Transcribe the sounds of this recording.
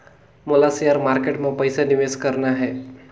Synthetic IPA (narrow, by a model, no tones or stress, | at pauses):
molasijaɾmaɾkeʈmãpəjsanɪʋeskəɾnaɦɛ